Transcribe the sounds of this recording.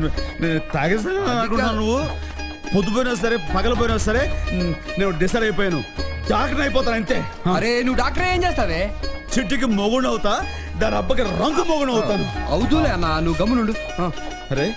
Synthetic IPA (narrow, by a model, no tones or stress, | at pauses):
neːnut̪aːɡɐs̬ɐnɐɐɐnkunːaːnnuʋːu | pod̪up̬oːjinɐs̬ɐɾeːpɐɡɐlɐp̬oːjinɐsɐɾeːneːnuɖisɐɾɐjp̬oːjaːnud̪aːkʈɐnɐjipɔːt̪aːnɐnt̪eːɐɾenuʋuɖaːk̚ʈɐɾeːnd͡ʒeːst̪aːɾet͡ʃiʈːikimoɡuɳɖɐwut̪aː | d̪aːniɐbːɐk̬iɾɐŋkumoːɡuɳɐwt̪aːnuɐwd̪uleɐnːanuʋuɡɐmːunuɳɖu | aːsɐɾe